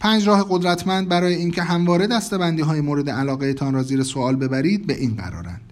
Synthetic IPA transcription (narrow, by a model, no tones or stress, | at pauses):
pʰæːnd͡ʒɾɒːheɣo̞d̪ɾæt̪ʰmænd̪̚bæɾɒːje̞iːncʰe̞ɦæmvɒːɾe̞d̪æst̪e̞bænd̪iːɦɒːjemoːɾe̞d̪eælɒːɣeet̪ʰɒːnɾɒːziːɾesoɒːlbe̞bæɾiːd̪̚be̞ʔiːnɢæ̰ɾɒ̰ːɾæ̰nd̪̥